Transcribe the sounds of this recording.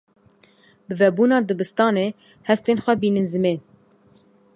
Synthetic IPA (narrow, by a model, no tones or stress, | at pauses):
bɨvɛbuːnɑːd̪ɨbɨst̪ɑːneː | hɛst̪eːnxʷɛbiːnɨnzɨmeːn